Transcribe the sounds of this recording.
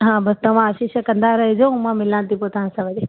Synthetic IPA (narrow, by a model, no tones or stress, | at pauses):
ɦãːbɐst̪ɐʋ̤ãəʃiʃəkɐ̃nd̪aɾɐɦid͡ʑoːũmãmɪlãnt̪ipoːt̪ɐ̤ãsãʋɐdi